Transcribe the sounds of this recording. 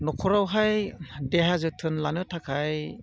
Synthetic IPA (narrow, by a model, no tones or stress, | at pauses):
nɔkʰɔɾawɦajdeɦazɯtʰɯnlanɯtʰakʰaj